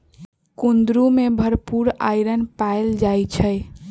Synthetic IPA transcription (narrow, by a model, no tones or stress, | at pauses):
kund̪ɾumebʱəɾpuɾa̰jɾənpaeld͡ʒajt͡ʃʰəj